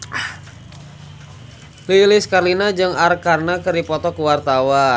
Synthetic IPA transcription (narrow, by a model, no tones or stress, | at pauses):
lilɪskarlinad͡ʒɨŋarkarnakɨɾipɔt̪ɔkuwart̪awa